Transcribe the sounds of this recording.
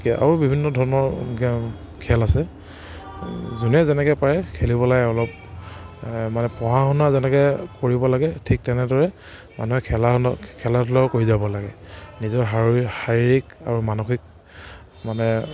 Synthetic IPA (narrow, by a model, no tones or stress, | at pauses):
ka̰ɹubibʱinːɔdʱɔɹɔnɔɹ | kʰɛlasɛ | zunɛzɛnɛkɛpaɹɛkʰelibɔlaɡɛɔlɔb̚ | manɛpɔɦaxɔnazɛnɛkɛkoɹibɔlaɡɛtʰik̚tɛnɛdɔɹɛ | ma̰nuɦɛkʰɛlankʰɛlatʰulɔkoɹizabɔlaɡɛnizɔɹɦaɹixaɹiɹika̰ɹumanuxik̚ | manɛ